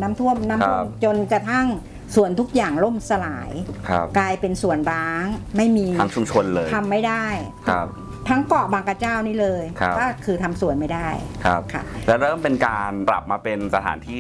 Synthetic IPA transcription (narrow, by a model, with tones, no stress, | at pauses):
naː˦˥mt̪ʰu˥˩əmnaː˦˥˧mt͡ɕo˧nka˧˩t̪ʰa˥˩ŋ | su˨˩ənt̪ʰu˦˥k̚jaː˨˩ŋlo˥˩msa˧laː˩˦jkʰa̰˦˧˩p̚klaː˧jpe˧nsu˨˩ənɾaː˦˥ŋma˥˩jmiː˧a˦˥ŋt͡ɕʰu˧mt͡ɕʰo˧nlɤː˧t̪ʰa˧mːa˥˩jda˥˩jt̪ʰa˧˦˧p̚ | t̪ʰa˦˥ŋkɔ˨˩baː˧ŋka˧t͡ɕaː˥˩wniː˥˩lɤː˧jkʰa˦˧kɔː˥˩kʰɯː˧t̪ʰa˧msu˨˩əjma˥˩daː˥˩jkʰa̰˧˩pkʰa̰˥˩lɛː˦˥ɾɤː˥˩mpe˧nkaː˧npɾa̰˨˩p̚maː˧pe˧nsa˧t̪ʰa̰ː˩˦nt̪ʰiː˥˩